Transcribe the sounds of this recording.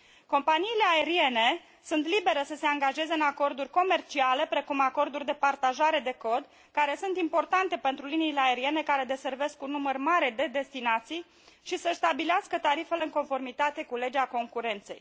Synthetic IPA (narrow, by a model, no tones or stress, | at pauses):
ko̞mpaniːle̞ae̞ɾie̞ne̞ | sunt̪libe̞ɾesəse̞aŋɡaʒe̞ze̞ɨnako̞rd̪urʲko̞me̞rt͡ʃiale̞pɾe̞kumako̞rd̪urʲd̪epart̪aʒaɾe̞d̪e̞ko̞d̪ | kaɾe̞sunt̪impo̞rt̪ant̪e̞pe̞nt̪ɾuliniːle̞ae̞ɾie̞ne̞kaɾe̞d̪e̞se̞rve̞skunːumərmaɾe̞d̪e̞d̪e̞st̪inat̪sij | ʃisəst̪abileaskət̪aɾife̞leɨŋko̞nfo̞rmit̪at̪e̞kule̞d͡ʒeako̞ŋkuɾe̞nt̪se̞̰j